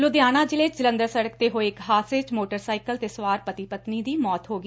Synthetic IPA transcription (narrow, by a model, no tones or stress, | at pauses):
lod̪ɪjaːnãːd͡ʒɪlet͡ʃd͡ʒɪlə̃nd̪əɾsəɽək̚t̪eːɦoːɪkɦaːsɪt͡ʃmoːʈəɾsaːɪkəlt̪eːsʋaːɾpət̪ɪpət̪niːd̪iːmɔːt̪ɦoːɡi